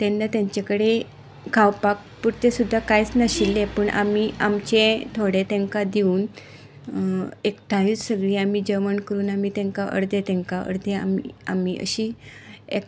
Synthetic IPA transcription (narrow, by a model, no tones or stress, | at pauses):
t̪enːat̪jãɲt͡ɕakəɽe | kʰawpak̚ | puɾt̪esud̪ʱːakajt͡snəɕilːẽpəɳʔa̰miːamt͡ɕẽt̪ʰoɽet̪ẽŋkad̪iuːn | ekʈʰajiːt͡ssəɡɭiːamid͡ʑəʋənkəɾuːnamit̪ẽŋkaʔə̰ɾd̪et̪ɛ̃ŋkaʔə̰ɽd̪ea̰mḭa̰miːə̰ɕiːek